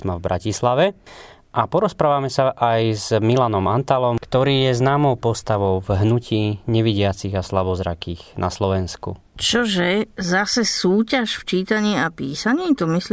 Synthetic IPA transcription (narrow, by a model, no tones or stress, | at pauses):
mavbɾʔacislaʋɛ | ʔapɔɾɔspɾaːʋamɛsaʔajzmilanɔmant̪alɔmkt̪ɔɾiːjɛznaːmɔʊpɔst̪aʋɔʊvɦnucʰiːɲɛʋiɟɪat͡siɣaslabɔzɾa̰kiːɣna̰slɔʋɛnskṵ | t͡ʃɔʒɛzasɛsuːcaʃft͡ʃiːt̪aɲiːapiːsaɲiːt̪ɔmisl